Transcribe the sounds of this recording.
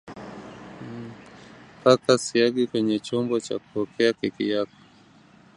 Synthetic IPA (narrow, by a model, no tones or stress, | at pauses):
pakasiaɠikwɛɲɛt͡ʃɔmbɔt͡ʃa̰ku̥ɔkɛakikḭjakɔ̥